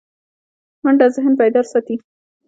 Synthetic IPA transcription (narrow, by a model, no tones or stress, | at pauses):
maɳɖazɪɦnpajd̪ɑɾsɑt̪i